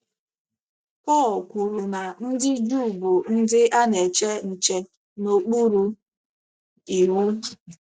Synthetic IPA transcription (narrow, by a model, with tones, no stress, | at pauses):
kɔː˦˨kʷu˨ɾu˨na˨n̩˦dɪ˦du˦˨bʊ˨n̩˦dɪ˦a˦ne˨t͡ʃe˦n̩˨t͡ʃe˦ | no˨k͡pu˦ɾu˨ | i˨ɾu˦